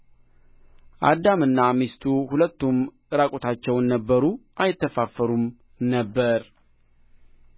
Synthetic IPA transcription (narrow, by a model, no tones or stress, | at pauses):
ʔa̰d̪ːamɨnːamist̪ʰuhulət̪ːumʔɨɾakʼo̞t̪ʰat͡ʃːɛwnːəbːəɾuʔajɪt̪ːəfafːəɾum | nəbːəɾ